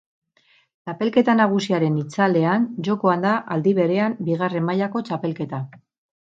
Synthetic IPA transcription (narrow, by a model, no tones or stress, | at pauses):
t͡ʃape̞lke̞t̪anaɣ̞usiaɾe̞nit͡sale̞and͡ʒo̞ko̞and̪aʔald̪iβ̞e̞ɾe̞ambiɣ̞are̞mːaʎako̞t͡ʃape̞lke̞t̪a